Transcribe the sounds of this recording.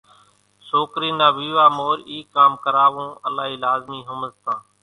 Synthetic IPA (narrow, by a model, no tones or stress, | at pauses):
soːkɾiːnaːʋiːʋaːmoːɾiːkːaːmkəɾaːʋõːʔəlaːɦiːlaːzmiːɦʊməzt̪ãː